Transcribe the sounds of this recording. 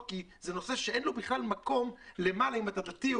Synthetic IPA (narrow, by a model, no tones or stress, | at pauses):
kizeno̞se̞ʃeʔenlobiχlalmako̞mle̞malaimat̪adat̪i